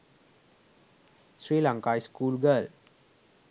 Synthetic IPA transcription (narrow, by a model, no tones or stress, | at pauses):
sɹiːlãŋkajskuːlɡəl